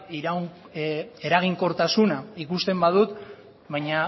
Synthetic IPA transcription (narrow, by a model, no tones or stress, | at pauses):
iɾa | e̞ɾaɣ̞iŋko̞ɾt̪asunaikust̪e̞mbað̞ut̪ | βajɲa